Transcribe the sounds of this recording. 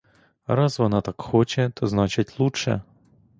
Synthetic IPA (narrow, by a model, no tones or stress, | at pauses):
ɾɑzʋɔnɑt̪ɑkxɔt͡ʃɛt̪ʰɔznɑt͡ʃɪtʲlˠuʃɛ̰